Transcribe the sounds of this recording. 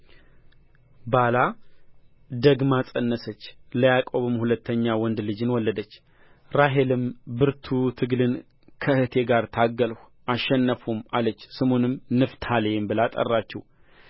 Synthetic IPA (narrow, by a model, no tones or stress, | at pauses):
bala | d̪əɡmasʼənːəsət͡ʃːləjakʼoβɨmhulət̪ʰːəɲːawɔnd̪lɨd͡ʒɨnwɔlːəd̪ət͡ʃː | ɾaɦe̞lɨmbɨɾt̪ʰut̪ʰɨɡlɨn | kʰəhɨt̪ʰe̞ɡaɾt̪ʰaɡəlh | aʃːɛnːəfumalət͡ʃːsɨmonɨmnɨft̪ʰaljɛmbɨlat̪ʼə̰rːat͡ʃːɛw